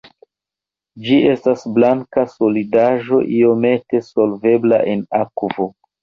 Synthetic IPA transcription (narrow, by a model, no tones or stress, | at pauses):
d͡ʒie̞stasblaŋkaso̞lidaʒo̞ʔio̞me̞te̞so̞lve̞bla̰ʔe̞nakvo̞